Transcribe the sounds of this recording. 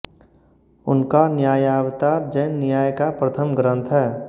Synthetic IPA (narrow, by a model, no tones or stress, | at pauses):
ʊnkanjaːjaːʋt̪aːɾd͡ʒɛːnːɪjaːjkapɾət̪ʰəmɡɾə̃nt̪ʰɦɛː